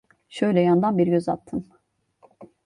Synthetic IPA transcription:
ʃøjlʲɛjand̪anbiɾɟøzat̪ʰːɯm

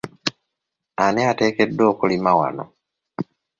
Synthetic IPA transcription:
aneate̞ːkedːo̞ːkulimawa̰no̰

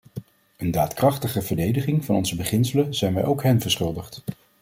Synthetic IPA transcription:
əndaːtkrɑχtəχəvəɹdejdəχɪŋvɑnɔnzəbəχɪnsələz̥ɛjnʋɛjʔowkɦɛnvəɹsχɵlˠdəχt

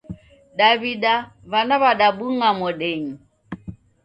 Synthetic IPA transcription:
ɗaβiɗaβanaβaɗabuŋamɔɗɛɲi

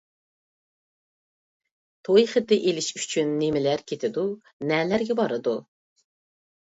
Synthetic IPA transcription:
t̪ʰojχət̪ɪʔelɪʃyt͡ʃʰynːemɪlæɾkʲʰet̪ʰɪd̪u | nɛlæɾɡʲɛbɑɾɨd̪u

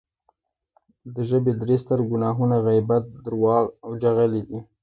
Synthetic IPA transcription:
d̪əʒəbed̪əɾest̪aɾɡʊnɑɦunaɣajbat̪̚d̪əɾwɑawd͡ʒaɣəled̪i

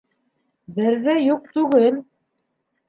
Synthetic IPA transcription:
bɘ̆ɾðɘjuq̚t̪ʉɡɘl

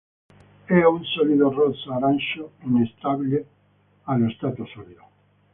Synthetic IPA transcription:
ɛunsɔliðorɔsaɾanʃoinest̪aβile | aloest̪at̪osoliðo

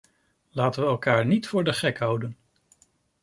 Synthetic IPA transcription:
laːtənʋəɛlˠkaːɹnitfʊːɹdəχɛkɦʌwdən

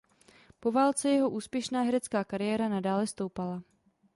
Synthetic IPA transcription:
po̞vaːlt͡sɛjɛɦo̞ʔuːspjɛʃnaːɦɛɾɛt͡skaːkaɾɪjɛːɾanadaːlɛst̪owpala

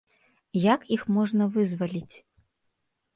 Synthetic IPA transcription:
jakixmɔʐnɐvɨzvɐlʲit͡sʲ

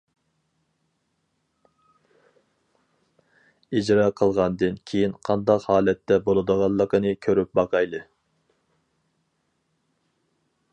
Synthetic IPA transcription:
id͡ʒɾɑːqʰəlˠʁɑnd̪ɨnkʲʰejinqʰɑnd̪ɑqhɑːlɛt̪ːɛbolˠɨd̪əʁɑlˠːəqənɨkʲʰøɾyp̚bɑqʰɑjlˠɨ

